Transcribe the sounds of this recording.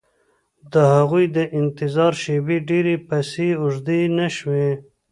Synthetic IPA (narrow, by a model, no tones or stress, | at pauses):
d̪əhaɣujd̪əʔɪnt̪ɪzɑɾʃebeɖeɾepaseʊʐd̪enaʃwe